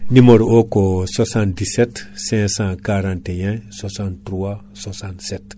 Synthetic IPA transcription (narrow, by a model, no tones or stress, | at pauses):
nimoɾokoswasãnt̚disetsɛ̃sãkaɾãːntejɛ̃swasãntɾuwa | swasãntset